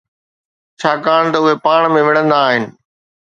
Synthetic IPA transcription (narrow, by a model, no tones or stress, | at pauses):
t͡ɕʰaːkaːɽ̃t̪ɐʊɦepaːɽ̃mẽʋɪɽ̤̃ə̃nd̪aːɦɪnɪ̆